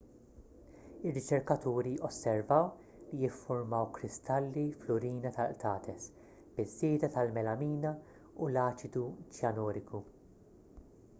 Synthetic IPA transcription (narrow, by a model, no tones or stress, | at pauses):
ɪrːɪt͡ʃɛɾkɐt̪uːɾiɔsːɛɾvɐw | lijɪfːʊɾmɐwkɾɪst̪ɐlːiflʊɾiːnɐt̪ɐlt̪ʰɐːt̪ʰɛs | b̥ɪzːɪːd̪ɐt̪ɐlmɛlɐmiːnɐ | ulɐːt͡ʃɪd̪ut͡ʃjɐnɔːɾɪkʰu